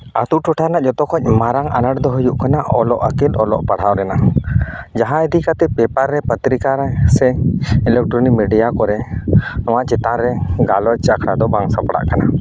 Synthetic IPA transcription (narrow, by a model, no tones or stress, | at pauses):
at̪uʔʈɔʈʰanaʔd͡ʒɔt̪ɔkʰɔc̚ˀmaɾaŋa̰naɽd̪ɔɦujuʔkanaʔɔlɔʔakɛt̪ɔlɔ̰ʔpaɽ̤awɾɛna | d͡ʒaɦãid̪ikat̪ɛpɛpaɾːɛpət̪ɾikaɾɛsɛɛlɛk̚ʈɾɔnimɛɖijakɔɾɛnɔwaʔt͡ʃɛt̪aɾɛɡalɔc̚ˀt͡ʃakʰɾad̪ɔbaŋsapaɽa̰ʔkana